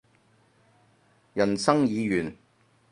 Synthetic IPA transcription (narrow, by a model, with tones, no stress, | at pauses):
jɐ˨˩nsɐ˥ŋjiː˨˧jyː˨˩n